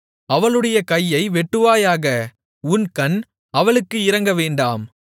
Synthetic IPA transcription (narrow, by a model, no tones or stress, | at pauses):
ɐʋɐɭɯɽɐjɐkɐjːɐɪʋɛʈːɯʋaːjaːɣɐ | ʊnkɐn | ɐʋɐɭɯkːɯɪɾɐŋɡɐʋeːɳɖaːm